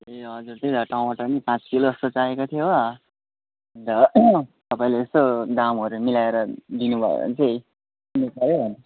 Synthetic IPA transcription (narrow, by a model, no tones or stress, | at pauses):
eʌd͡zurt͡sʌĩdʌʈʰaũbaʈʌnipãt͡skiloʌst̪ot͡saekot̪ʰjo | d̪ʌt̪ʌpaĩleːst̪od̪amɦʌɾumilaeɾʌd̪inubʱʌ̰ḛʌ̰nt͡sʌĩ | nipʌɾjobʱʌn